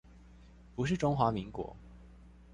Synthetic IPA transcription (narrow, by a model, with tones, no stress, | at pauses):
pu˧˥ʂ̬ɻ̩˥˩ʈ͡ʂʊ˥ŋxwa˧˥mi˧˥ŋkwɔ̰˧˥